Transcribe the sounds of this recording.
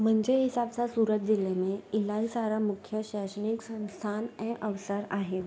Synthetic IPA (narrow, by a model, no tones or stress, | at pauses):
m̤əɳd͡zeɦisab̚t͡sasuɾət̪̚d̪ilemeilaisaɾamukʰjəɕaɕəniksə̃w̃st̪ʰanɛ̃ʔəʋsəɾaɦe